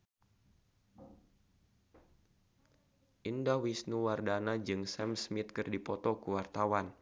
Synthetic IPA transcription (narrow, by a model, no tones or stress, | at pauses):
ʔindawisnuwardanad͡ʒɨŋsɛmsmit̪̚kɨrdipɔt̪ɔkuwart̪awan